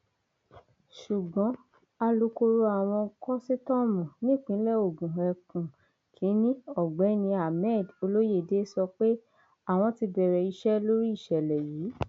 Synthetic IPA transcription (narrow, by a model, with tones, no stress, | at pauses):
ʃu˨ɡ͡bɔ̃˨˦ | a˧lo˧ko˧ɾo˧a˦˨w̃ɔ̃˧kɔ˦si˦tɔ˦mũ˨nĩ˦˨k͡pĩ˨˦lɛ˦˨o˨ɡũ˨ɛ˨kũ˨ | kʰĩ˨˦nĩ˦ɔ˦˨ɡ͡bɛ˨˦nĩ˧a˨mɛ˦˨do˧lo˦je˦˨de˦sɔ˧k͡pe˦ | a˦˨w̃ɔ̃˧ti˧bɛ˨ɾɛ˨i˧ʃɛ˦lo˦ɾi˦i˦˨ʃɛ˨lɛ˨jiː˨˦